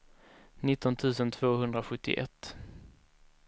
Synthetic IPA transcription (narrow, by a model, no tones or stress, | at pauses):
nɪt̪ːɔnt̪ʰʉ̟ːsənt̪ʰv̥oːɦɵnd̪ɾaɧɵt̪ːɪ̰ʔɛ̰t̪ː